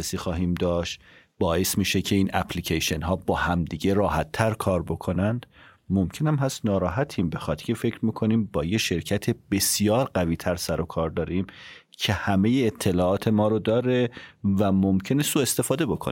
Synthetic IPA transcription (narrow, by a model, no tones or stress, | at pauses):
esiːxɒːɦiːmd̪ɒːʃt̪ | bɒːe̞smiːʃecʰe̞iːnʔæ̰pʰlicʰeʃenɦɒːbɒːhæmd̪iːɟe̞ɾɒːhæt̪ʰːæɾkʰɒːɾbo̞kʰo̞nænd̪̥ | momcʰe̞næmɦæst̪nɒːɾɒːɦæt̪ʰiːmbe̞xɒːt̪cʰʲefe̞cʰɾmiːkʰo̞niːmbɒːjeʃe̞ɾcʰæt̪ʰebe̞sijɒːɾɢæviːt̪ʰæɾsæɾo̞kʰɒːɾd̪ɒːɾiːm | cʰe̞hæme̞jeːt̪ʰːe̞lɒːʔɒːt̪ʰe̞mɒːɾod̪ɒːɾevæmomcʰe̞nesuːe̞st̪e̞fɒːd̪e̞bo̞kʰon